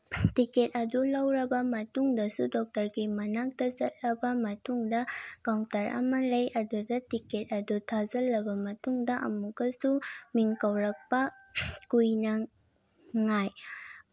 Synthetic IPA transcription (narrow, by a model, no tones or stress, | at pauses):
tiket̚ɐdulɐwɾɐbɐmɐtuŋdɐsudɔk̚tɐɾɡimɐnak̚tɐzɐt̚lɐbɐmɐtuŋdɐkawtɐɾʔɐ̰mɐlɐjʔɐdudɐtiket̚ɐdutʰazɐlːɐbɐmɐtuŋdɐʔɐ̰muɡɐsumiŋkɐwɾɐk̚pɐkujnɐ | ŋaj